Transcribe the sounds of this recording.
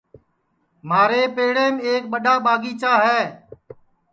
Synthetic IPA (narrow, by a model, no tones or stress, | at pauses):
maːɾeːpeːɽeːmeːk̚ɓəɗaːɓaːɡiːt͡ʃaːɦɛː